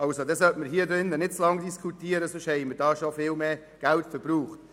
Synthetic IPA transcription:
ɑlsodɛsœtməɾɦiːədɾɪnːənɪt̚t͡slɑŋdiskʰutiːəɾəsʏʃhɛɪməɾdɑːʃofɪːlmeː | ɡ̥æltfəɾbɾuːχt

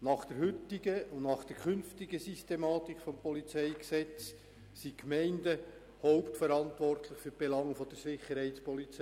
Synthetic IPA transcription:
nɑχd̥ɛɾɦʏtɪɡəʊnnɑχd̥ɛɾkʰʏnftiɡəsistemɑːt̪ikfɔmpɔlit͡sɛɪksɛt͡s | sikmɛɪndə | hɔʊptfəɾɑntʋɔrtʰlɪχfyɾb̥elɑŋfɔd̥əɾsɪχəɾhɛɪtspɔlit͡sɛ

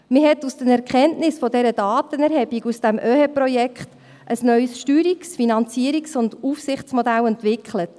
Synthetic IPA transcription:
mɪhɛtːusd̥ənɛɾkʰɛntnɪsfɔdɛɾəd̥ɑːt̪ənɛɾhɛbiɡusd̥æmʔøːhepɾɔjɛkχt | ʔəsnœʏsʃtyːɾiksfinɑnt͡siəɾiksʊndufsɪχt͡smɔdælɛntʋɪkʰχlət

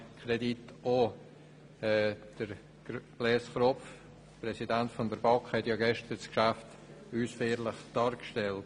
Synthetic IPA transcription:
kʰɾɛdito | ɛːd̥əɾ̥ | b̥lɛːsχɾɔpf | pɾɛsidantfɔndəɾbɑkhɛtjɑːɡɛʃtəɾskʃaft | yːsfɛːɾlɪχd̥ɑːɾkʃtɛlt

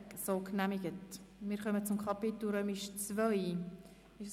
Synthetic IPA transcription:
ksoːknæmɪɡ̥ətmɪːɾχœmət͡sʊmkʰɑpɪtl̩ɾœːmɪʃt͡svœj | ɪ

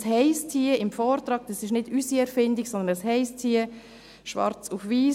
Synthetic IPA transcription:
shɛɪstʰiːəɪmfɔːɾt̪ɾɑːɡ̥̚d̥ɑsɪʃnɪd̥ysiɛɾfɪndiɡsɔnd̪ənəshɛɪstʰiːə | ʃʋɑ̰ɾt͡sufviː

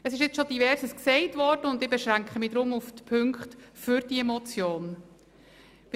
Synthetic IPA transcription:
əsɪʃjɪt͡sʃodivɛɾsəsksɛɪtvɔɾd̥əʊndɪbeʃʁæŋkχəmɪd̥ɾʊmuftpʰʏŋkχtfʏɾd̥iɛmɔt͡sjoːn

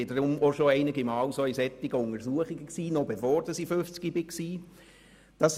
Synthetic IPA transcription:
ɪdɾʊmoʃoɛɪnɪɡimɑːwsoisɛt̪ːɪɡəʊŋəɾsuəχɪɡ̥əksiːnɔbefoːɾd̥ɑsiføft͡skibɪksiː | d̥ɑs

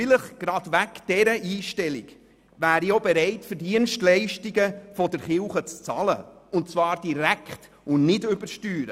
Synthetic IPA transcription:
ɪləχɡ̥ɾɑdʋækd̥ɛɾəʔiːʃtɛlḭɡ̥ | væːɾiobɛɾɛɪtfəɾdiənʃtlɛɪʃtiɡəfɔdəɾχɪwχət͡st͡sɑ̰lə̰ʊntt͡svɑːɾd̥iɾækχt | ʊnnɪdʏbəɾʃtyːɾə

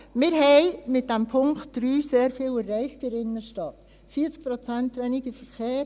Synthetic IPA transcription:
mɪɾɦɛɪmɪt̚d̥ɛmpʰʊŋktd̥ɾyːseːɾfiːlɛrːɛɪχtəɾɪnːəʃtɑt | fiːt͡sk̚pɾot͡sæntʋɛniɡəfɛɾχeː

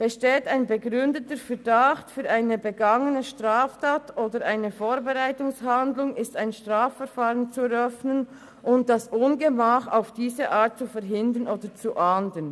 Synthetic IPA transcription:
b̥əʃteːtaɪnbəɡʁʏndətəfɛdaχtfyːɾʔaɪnəbəɡɑŋənəʃtʁaːftaːtʔoːdəɾʔaɪnəfoːɾbɛʁaɪtʊŋshandlʊŋɪstaɪnʃtʁaːfːɛɾfaːʁənt͡suɛɾœfnən | ʔʊnt̚d̥asʔʊnɡəmaːχa̰ʊfd̥iːzəʔaːt̚t͡sufɛɾɦɪndənʔoːdət͡suʔaːndən

